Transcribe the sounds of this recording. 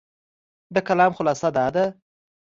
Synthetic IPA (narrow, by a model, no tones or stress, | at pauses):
d̪əkalɑmxʊlɑːsad̪ɑd̪a